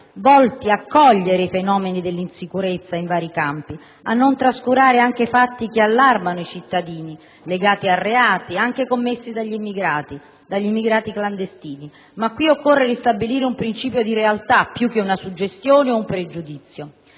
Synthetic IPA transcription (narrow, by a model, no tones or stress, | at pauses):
vɔlt̪iakːɔʎːeɾeifenɔːmenid̪elːinsikuɾet̪sːaiɱvaːɾikampi | anːont̪ɾaskuɾaːɾeaŋk̟efat̪ːikealːarmanoit͡ʃit̪ːad̪iːni | leɡaːt̪iarːeaːt̪iaŋk̟ekomːesːid̪aʎːimiɡɾat̪i | d̪aʎːimːiɡɾaːt̪ikland̪est̪iːni | makːwiokːorːeɾist̪abiliːɾeumpɾint͡ʃiːpjod̪iɾealt̪apːjukːeunasud͡ʒːest̪joːneoumpɾed͡ʒud̪it̪sːjo